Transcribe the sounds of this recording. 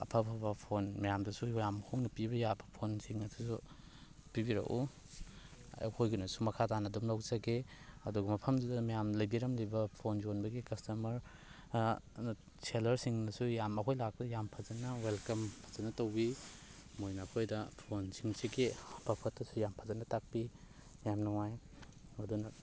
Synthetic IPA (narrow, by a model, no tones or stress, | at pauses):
ɐ̰pʰɐpʰɐbɐpʰonmɐjamdɐsujjamkʰoŋnɐpibɐjabɐpʰonsiŋɐsisu | pibiɾɐ̰ku | ɐ̰whojɡunɐsumɐkʰatanɐdumlawzɐɡeɐduɡɐmɐpʰɐmzidɐmɐjamlɐjbiɾɐmlɐjbɐpʰonzonbɐɡikɐstɐmɐɾ | selɐɾsiŋnɐsujamɐkʰojlak̚tɐjampʰɐzɐnɐwelkɐmpʰazɐnɐtɐwbi | mojnɐɐːkʰojdɐpʰonsiŋseɡeb̥ɐpʰɐtːɐsujampʰazɐnɐtak̚pi | jamnɔŋaj | mɐdunɐ